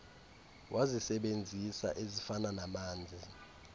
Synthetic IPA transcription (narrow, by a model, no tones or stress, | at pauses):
wʔazisɛɓend͡zʱisa̰ʔezifananamaːnd͡zʱi